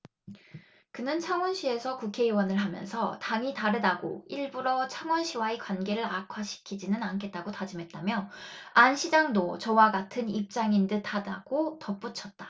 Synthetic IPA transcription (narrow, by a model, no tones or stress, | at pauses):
kɯnɯnt͡ɕʰaŋwʌnɕʰie̞sʰʌkukʰe̞iwʌnɯɭɦamjʌ̰nsʰʌtaŋitaɾɯdaɡo̰iɭbuɾʌt͡ɕʰaŋwʌnɕʰiwaekwanɡe̞ɾɯɾakʰwaɕʰi̥kʰid͡ʑinɯnankʰe̞t̚t͈aɡotad͡ʑɯmɦe̞t̚t͈amjʌanɕʰid͡ʑaŋdot͡ɕʌwaɡatʰɯnip̚t͡ɕ͈aŋindɯtʰada̰ɡ̥otʌp͈ut͡ɕʰʌt̚t͈a